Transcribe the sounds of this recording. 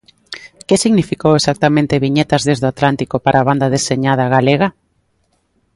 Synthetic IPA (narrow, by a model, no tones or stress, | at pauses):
kesiɣnifikowesak̚t̪amẽnt̪eβiɲet̪ɐzðezðoat̪lant̪ikopaɾʔaːβand̪aðeseɲað̞ɐɣaleɣa